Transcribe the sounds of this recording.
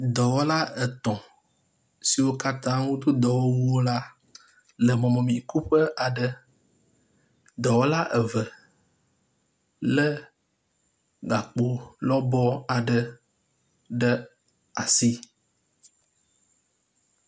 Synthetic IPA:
d̪ɔ˨wɔ˦la˦ə˨t̪ɔ̃˨ | si˨wo˦ka˦t̪ã˦wo˦d̪o˦d̪ɔ˨wɔ˦wu˦o˦la˦ | lə˨mɔ̃˨mɔ̃˨mĩ˨ku˦ɸə˦ʔa˨ɖə˨ | d̪ɔ˨wɔ˦la˦ʔə˨və˨ | lə˦ | ɡa˨k͡po˨lɔ˦bɔ˦a˨ɖə˨ | ɖə˦ | a˨si˦

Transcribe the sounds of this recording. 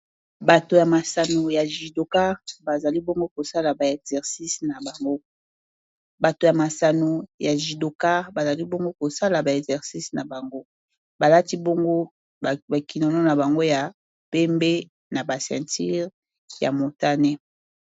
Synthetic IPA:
ba˨to˨ja˨ma˨sa˨no˨ja˨ʒi˨do˨ka˦ʁba˨za˨li˦bo˦ŋɡo˦ko˨sa˦la˨ba˨ɛ˨kzɛ˨ʁsi˦sna˨ba˨ŋɡo˦ | ba˨to˨ja˨ma˨sa˨no˨ja˨ʒi˨do˨ka˦ʁba˨za˨li˦bo˦ŋɡo˦ko˨sa˦la˨ba˨ɛ˨kzɛ˨ʁsi˦sna˨ba˨ŋɡo˦ | ba˨la˦ti˦bo˦ŋɡo˦˨ | ba˨ki˨nɔ˨nɔ˦na˨ba˨ŋɡo˦ja˨ | pɛ˦mbe˦ | na˨ba˨sɛ̰̃˨nti˦ʁ | ja˨mo˨ta˦nɛ˦

